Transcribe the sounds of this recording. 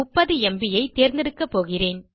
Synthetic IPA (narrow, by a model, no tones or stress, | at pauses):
ʊpːɐðɯɛmbɪjɐɪt̪eːɾnd̪ɛɽɯkːɐpːoːɣɪreːn